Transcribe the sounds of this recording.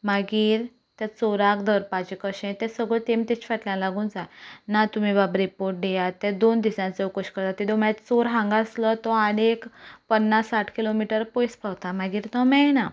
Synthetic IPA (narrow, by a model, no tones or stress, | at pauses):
maɡiːɾ | t̪ɛt͡soɾakd̪əɾpad͡ʑekəɕẽt̪ɛ̃səɡɭət̪ẽmt̪ɛt͡ɕfaʈljãlaɡũːnd͡zanat̪um̤ibabɾipoɾʈ̚ɖɛjat̪ːɛ̃d̪ond̪isãt͡seukəɕkəɾt̪at̪id̪omt̪t͡soɾɦãŋɡaslət̪ɔaɽekpənːasːaʈʰkilomiʈəɾpojspawt̪amaɡiːɾt̪ɔ̃mɛna